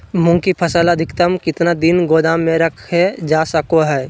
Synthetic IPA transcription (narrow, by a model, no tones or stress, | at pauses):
mʊ̃ŋkipʰəsələd̪ʱɪkt̪əmkɪt̪nad̪ɪnɡoːd̪aːmːẽɾəkʰɦɛd͡ʒaːsəkoɦɛː